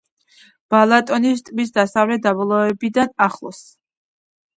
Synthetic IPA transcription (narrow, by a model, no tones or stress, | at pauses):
b̥alˠat̪ʼɔnist̪ʼmisd̪asavlɛd̪abɔlˠɔɛbid̪anaχlˠɔ̰s